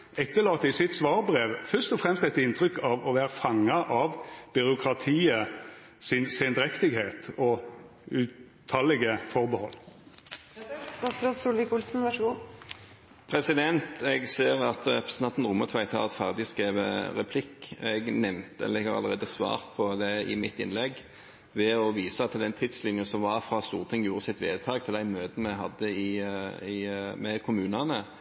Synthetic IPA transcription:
ɛt̪ːəlɑːt̪ɪsɪt̪sʋɑːʁbʁeːʋfœʁst̪ɔfʁɛmst̪ɛt̪ɪnt̪ʰɾʏkɑʋɔʋæːʁəfɑŋːɑʔɑʋb̥ʏɾʊkʰʁɑt̪ʰiːə | sɪnsend̪ɾɛkt̪ɪɡheːt̪ɔ | ʉː | t̪ʰɑlɛɡəfɔʁbəhɔlː | ɔɾoːt̪suːlʋɪkʊlsn̩ʋɑʂəɡuː | pʰʁɛsɪd̪ɛnt̪ɛɡseːʁɑt̪ʁɛpɾəsnɑnt̪nʁʊːmət̪ʰʋæɪt̪ʰhɑ̰ːʁɛt̪fæʁd̪ɪskʁeːʋə̰ʁɛpʰlɪkːɛɡnɛmnt̪ə̰lɛɡəʁɑ̰ləʁeːd̪əsʋɑ̰ːʁpʰɔd̪ɛɪ̰mɪt̪ɪ̰nlɛɡ | ʋɛɔʋiːsɑt̪ʰːɪlɛnt̪ʰɪd̪slɪnjsɔmʋɑʁfɾɑst̪uːʁt̪ʰɪŋːjuːɾəsɪt̪ʋeːt̪ʰɑːɡt̪ʰɪld̪æɪmøːd̪n̩mɛɪɦɑd̪ːəɪɪmɛkʰʊmʉːnɑnə

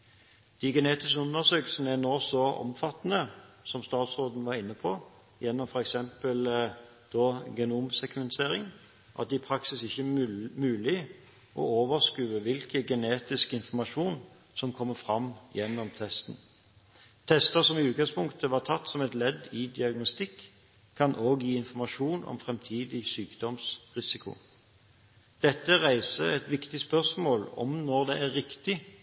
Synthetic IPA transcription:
d̪̥iɡɛneːt̪ɪskəʉnːəsøːkl̩sənəænoːsɔɔ̰mfɑt̪ːnə | sɔmst̪ɑːt̪sʁoːd̪n̩ʋɑɾɪnːəpʰɔ | jɛnːɔmfɔɾɛksɛmpəl | d̪̥ɔɡɛnuːmsɛkmɛnt̪ʰeːɾɪŋ | ʔɑ̰t̪̚d̪ɛɪpʰɾɑksɪsɪçːəmʉːlɪ | ʔɔ̰oːʋəʁskʉːʋəʋɪlkəɡɛneːt̪ɪskɪnfɔʁmɑʂuːn | sɔmkʰɔmːəfʁɑmjɛnːɔmt̪ʰɛst̪n̩ | t̪ʰɛst̪əsɔmɪʉːt̪ɡɑŋspʊŋkt̪əʋɑːʁt̪ʰɑt̪ːsɔmɛt̪lɛd̪ɪd̪ɪɑɡnɔst̪ɪkʰː | ɑnʔoːɡjiːɪnfɔmɑʃuːnɔ̰mfʁɛmt̪ʰiːd̪ɪsyːkd̪̥ɔmsʁɪsɪkʰʊ̰ | d̪̥ɛt̪ːəʁæɪsəɛt̪ʋɪkt̪ɪspœʁsmoːlɔ̰mnɔʁd̪ɛæʁʁːɪkt̪ɪ

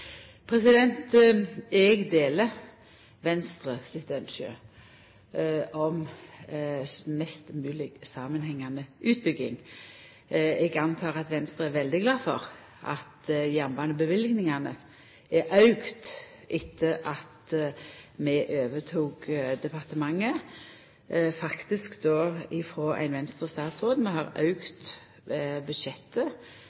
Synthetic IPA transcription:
pʰʁɛsɪd̪ɛnt̪ | ɛɡd̪eːlə | ʋɛnst̪ʁəsɪt̪œnʃø̰ː | ɔm | mɛst̪mʉːlɪɡsɑːmənhɛŋːɑnəʉːt̪̚bʏɡɪ̰ŋ | ɛɡɑnt̪ʰɑːʁɑt̪ʋɛnst̪ʁəæʋɛld̪ɪɡlɑːfɔ̰ʁ | ʔɑ̰t̪jɛmbɑnəbəʋɪlɡnɪŋɑnə | ɛɾʔɑʉɡt̪ | ʔɪt̪ʰːəʔɑt̪ | mɛʔøːʋət̪ʰuːɡd̪ɛpɑʁt̪əmɑŋːə | fɑkt̪ɪskd̪oːɪfɾoːʔæ̰ɪnʋɛnst̪ʁəst̪ɑːt̪sʁoːd̪nmɛhɑʁɑ̰ʉɡt̪ | bʉd̪ʃɛt̪ʰːə

